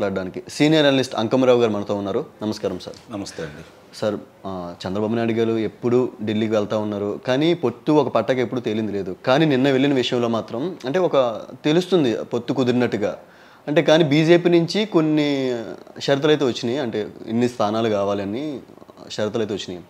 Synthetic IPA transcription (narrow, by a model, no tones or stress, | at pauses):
laːɽɖaːnikisiːnijɐɾɐnɐlisʈɐ̰ŋkɐmɐɾaːʋuɡaːɾumɐnɐt̪o̞ːunːaːɾunɐmɐskaːɾɐmsa̰ːɾnmst̪ | sɐɾ | t͡ʃɛnd̪ɾɐbaːbunaːjɽuɡaːɾue̞pːuɽuɖelːiːkiʋɛɭɐt̪aːunːaːɾukaːnipo̞t̪ːuɔkɐpɐʈːɐkepːuɽut̪e̞ːlind̪ile̞ːd̪ukaːniːninːɐʋe̞ɭːinɐʋiʂɐjɐmlo̞ːmaːt̪ɾɐmɐɳʈe̞ːɔkɐt̪e̞lust̪und̪ipo̞t̪ːukud̪iɾinɐʈːuɡaː | ɐɳʈe̞ːkaːniːbiːd͡ʒe̞ːpiːnuɲt͡ʃiko̞nːi | ʃɐɾit̪ɐlɐjt̪̬eːʋɐt͡ʃːind̪iɐɳʈe̞ːḭnːist̪ʰaːnaːlukaːʋaːliɐniʃɐɾit̪ɐlɐjt̪eʋɐt͡ʃːini